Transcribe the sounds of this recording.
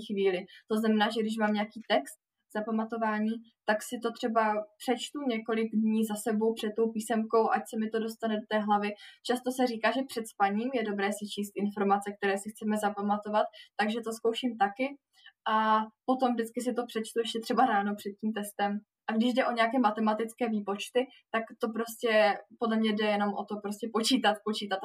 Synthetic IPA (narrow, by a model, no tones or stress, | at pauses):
xviːlɪt̪o̞znamɛnaːʒɛɡdɪʃ̬maːmɲɛakiːt̪ɛkst̪̚ | z̥apamat̪o̞vaːɲiːt̪aksɪt̪o̞t̪r̝̥ɛbapr̥ɛt͡ʃt̪uɲɛko̞lɪɡdɲiːzasɛbo̞wpr̥ɛt̪̚t̪o̞wpiːsɛmko̞wʔa̰csɛmɪt̪o̞do̞st̪anɛdot̪ɛːɦlavɪt͡ʃast̪o̞sɛriːkaːʒɛpr̝̥ɛt̪spaɲiːmjɛdo̞bɾɛːsɪt͡ʃiːst̪ʔɪnfo̞ɾmat͡sɛk̚t̪ɛɾɛːsɪxt͡sɛmɛzapamat̪o̞vat̪̚ːaɡʒɛt̪o̞skowʃiːmt̪akɪ | ʔapo̞t̪o̞mvdɪt͡skɪs̬ɪt̪o̞pr̥ɛt͡ʃt̪ujɛʃcɛt̪r̥ɛbaɾaːnopr̥ɛt̪̚ciːmt̪ɛst̪ɛm | ʔaɡdɪʒdɛʔo̞ɲɛjakɛːmat̪ɛmat̪ɪt͡skɛːviːpo̞t͡ʃt̪ɪ | t̪akt̪o̞pɾo̞scʲɛpodlɛmɲɛdɛjɛno̞mʔo̞̰t̪o̞pɾoscɛpo̞t͡ʃiːt̪at̪̚po̞t͡ʃiːt̪at̪